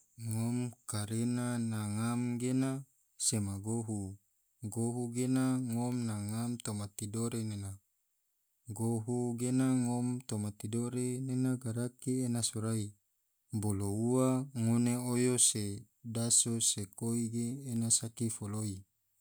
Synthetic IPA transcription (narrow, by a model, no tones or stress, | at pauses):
ŋomkaɾenanaŋamɡena | semaɡoɦu | ɡoɦuɡenaŋomnaŋamt̪omat̪idoɾenena | ɡoɦuɡenaŋomt̪omat̪idoɾenenaɡaɾakienasoɾai | bolouwaŋoneojose | dasosekoiɡeːnasakifoloi